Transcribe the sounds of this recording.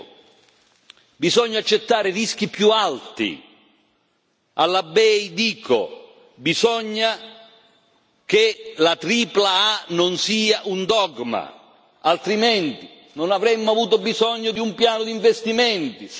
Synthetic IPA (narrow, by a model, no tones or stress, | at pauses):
bizɔɲːat͡ʃːet̪ːaːɾɪrisk̟ipjualt̪ḭ | alːabɛjd̪iːkʰo̰ | bizɔɲːa | k̟elat̪ɾiːplaanonsiːaʔund̪ɔɡma̰ | alt̪ɾiment̪i | nonavɾɛmːʊavuːt̪̬obizɔɲːod̪iumpjaːnʊd̪iɱvest̪iment̪i